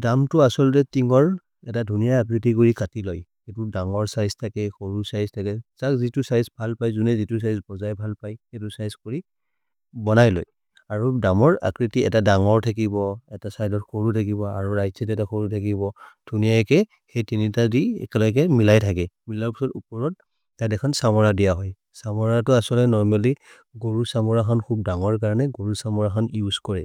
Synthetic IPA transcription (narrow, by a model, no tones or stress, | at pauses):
damtʊasɔltɛtiŋɔɹ | ɛtadʱunijaakɹitikuɹikatilɔjxetudaŋɔɹsajztʰakɛxoɹusajztʰakɛsakzitusajzbʱalpajzunɛzitusajzbɔzajbʱalpajxetusajzkoɹi | bɔnajlo̰j | aɹudamɔɹa̰kɹitiɛ̰tadaŋɔɹtʰakibɔɛtasajdɔtkoɹutʰak̬ibɔa̰ɹuɹajzɛtɛtaxoɹutʰakibɔd̥ʱunijajkɛ | xejtinitadiɛ̰kɛlɔɡɛmilajtʰakɛmilaɹpɔ̥sɔtupɔɹɔtː | atɛkʰɔnsamɔɹadijaɦɔj | samɔɹatʊasɔlɛnɔɹmali | ɡoɹusamɔɹaxʰɔnkʰub̚daŋɔɹkaɹɔnɛɡoɹusamɔɹaxʰɔnjuzkɔɹɛ